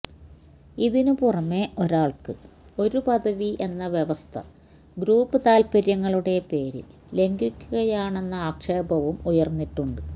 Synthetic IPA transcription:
iðinupurɐmːeʔo̞ɾaːɭkɨ | o̞ɾupɐðɐʋiʔe̞nːɐʋje̞ʋɐst̪ʰɐ̰ | ɡɾuːpːɨt̪aːlpɐɾjɐŋːɐɭuɽe̞pe̞ːɾḭl | le̞ŋɡukʲːuɣɐjaːɳe̞nːɐaːkʂeːbɐʋumujɐrnːiʈːuɳɖɨ

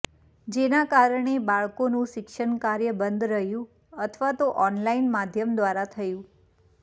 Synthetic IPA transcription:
d͡ʒenakaɾɳebaɭkonũʃɪkʃəɳkaɾjəbənd̪ɾəɦjũ | ət̪ʰʋat̪oʔɔnlainmad̪ʱjəmd̪ʋaɾat̪ʰəjũ

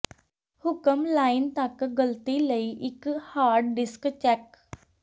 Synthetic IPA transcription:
hʊkəmlaːɪnt̪akɡəlt̪iləiʔɪkhaːɾɖɖɪskt͡ʃɛk

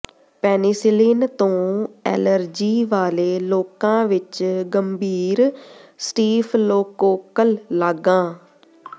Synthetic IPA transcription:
pɛːniːsɪliːnt̪õːɛ̰ːləɾd͡ʒiːʋaːleːloːkãːʋɪt͡ʃɡəmbʱiːɾsʈiːpʰloːkoːkəlːaːɡãː

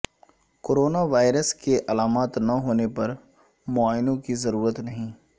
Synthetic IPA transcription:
koːɾoːnaʋaːɪɾəskeʔɐlaːmaːt̪nɐɦoːnepɐɾ | mʊaːjnõkizɐɾuːɾət̪nɐɦĩː

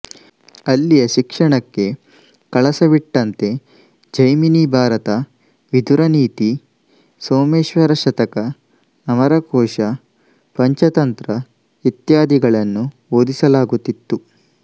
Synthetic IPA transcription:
ɐlːijɐʃikʂɐɳɐkːe̞ | kɐɭɐsɐʋiʈːɐnt̪e̞ | d͡ʒɐjminibʱaːɾɐt̪ɐ | ʋid̪uɾɐniːt̪i | soːmeːʃʋɐɾɐʃɐt̪ɐkɐː | mɐɾɐkɔːʃɐ | pɐɲt͡ʃɐt̪ɐnt̪ɾɐ | it̪jaːd̪iɡɐɭɐnːu | oːd̪isɐlaːɡut̪ːit̪ːu

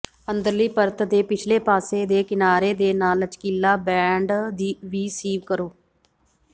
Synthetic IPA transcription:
ənd̪əɾliːpəɾt̪d̪eːpɪt͡ʃʰleːpaːseːd̪eːkɪnaːɾeːd̪eːnaːlət͡ʃkiːlaːbɛːɳɖd̪iʋiːsiːʋkəɾoː

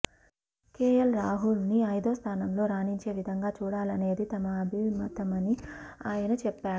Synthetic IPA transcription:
keːjɐlɾaːɦulniɐjd̪oːst̪ʰaːnɐmlo̞ːɾaːniɲt͡ʃe̞ːʋid̪ʱɐŋɡaːt͡ʃuːɽaːlɐne̞ːd̪it̪ɐmɐbimɐt̪ɐmɐniaːjɐnɐt͡ʃɛpːaːɽu

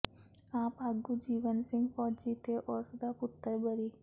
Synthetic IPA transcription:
apaɡud͡ʒiʋənsiŋɡfɔɾd͡ʒit̪eʔoɾsəd̪aput̪ːəɾbəɾi

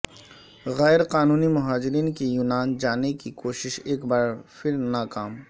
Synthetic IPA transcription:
ɣɛːɾqaːnuːnimʊɦaːd͡ʒɪɾiːnkijuːnaːnd͡ʒaːnekikoːʃɪʃeːkbaːɾpʰɪɾnaːkaːm

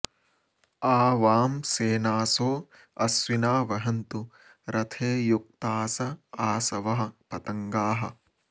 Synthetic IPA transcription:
aːʋaːmseːnaːsoː | ɐsʋinaːʋɐɦɐnt̪u | ɾɐt̪ʰeːjuk̚t̪aːsɐaːsɐʋɐɦɐ̆pɐt̪ɐŋɡaːɦɐ

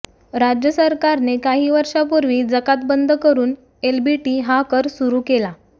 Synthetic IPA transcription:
ɾad͡ʑjəsəɾkaɾnekaɦiːʋəɾʂapuɾʋiːd͡zəkat̪bənd̪ʱəkəɾuːn | elbiʈiːɦakəɾsuɾuːkela

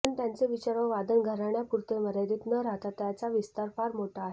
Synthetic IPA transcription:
ənt̪jant͡seʋit͡ɕaɾə̃ʋad̪ənɡʱəɾaɳjapuɾt̪eməɾed̪iːt̪nəɾaɦt̪at̪jat͡saʋist̪aɾpaɾmoʈʰaːɦe

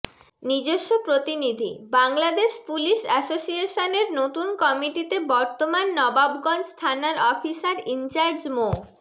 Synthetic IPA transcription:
nid͡ʑoʃːopɾot̪inid̪ʱḭbaŋlad̪eʃpuliʃɛsosieʃoneɾnot̪unkɔmiʈit̪ebɔɾt̪omanːɔbabɡɔnst̪ʰanaɾɔfisaɾint͡ɕaɾd͡ʑmo

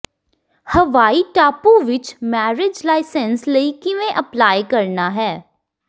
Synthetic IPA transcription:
hɐʋaːiʈaːpuʋɪt͡ʃmɛːɾɪd͡ʒlaːɪsənslɐikimẽʔɐplaːjkɐɾnaɦɛː

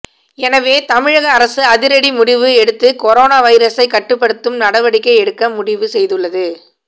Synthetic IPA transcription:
ɛnɐʋeːt̪ɐmɪɻɐɣɐːɾɐsɯɐðɪɾɐɽimʊɽɪʋɯɛɽɯt̪ːɯkɔɾoːnaːʋɐɪɾɐsɐɪkːɐʈːɯpːɐɽɯt̪ːɯmnɐɽɐʋɐɽɪkːɐɪɛɽɯkːɐmʊɽɪʋɯsɛjðɯɭːɐðɯ

